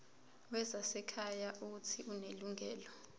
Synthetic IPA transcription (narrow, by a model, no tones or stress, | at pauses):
wɛzasɛkʰajaʔutʰiʔuneluŋʱɛːlɔ